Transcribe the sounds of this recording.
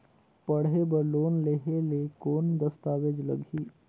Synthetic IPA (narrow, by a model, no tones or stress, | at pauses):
pəɽɦebəɾloːnleɦelekoːnd̪əst̪aːʋed͡ʒlə̰ɡʱiː